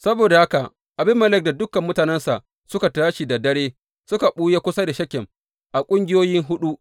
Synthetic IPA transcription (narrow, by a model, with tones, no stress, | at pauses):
sɐ˦boː˨da˨ha˦ka˨ʔ | ʔa˨bɪ˦mːɐ˦˨lɪ˦˨k̚da˨dʊ˦kɐ˨mːʊ˦taː˨nɛ˦nsa˨ʔ | sʊ˦ka˨taː˦ʃi˨da˨dɐ˦ɽeː˦ | sʊ˦ka˨ɓuː˦je˦kʷʊ˦sa˦da˨ʃɐ˦kʲɪ˨m | ʔa˨kʷʼʊ˦ŋɡʲɪ˦joː˦jɪ˦ŋɦʊ˦ɗu˦ʔ